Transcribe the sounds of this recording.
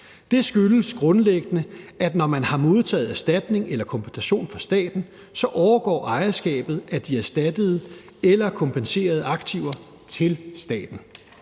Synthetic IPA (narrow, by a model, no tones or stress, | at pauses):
d̥e̝sɡ̥yləsɡ̥ʁɔ̽nleɡ̥ənəʔæd̥nɒmænhɑ̈mo̝ð̞ˠt͡sʰɛ̰ːð̩ˠæɐsd̥æd̥ne̝ŋelɐkʰɒ̽mpʰensæɕo̝̰ːnfʁɑ̈sd̥ɛ̰ːd̥n̩ | sɒ̽ʔɒʊɐɡ̥ɒ̰ːʔɑ̈ɪɐsɡ̥ɛ̰ːb̥ð̞̩ˠʔæd̥iæsd̥æd̥əð̞ˠə | elɐkʰɒ̽mpʰense̝̰ːɐð̞̩ˠəɑ̈ɡ̥t͡sʰiʊɐ | t͡sʰe̝lsd̥ɛ̰ːd̥n̩